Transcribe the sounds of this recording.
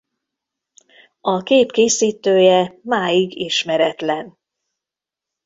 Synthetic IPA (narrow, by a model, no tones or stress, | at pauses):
ɒkeːpkeːsiːt̪øːjɛmaːjiɡiʃmɛɾɛt̪lɛn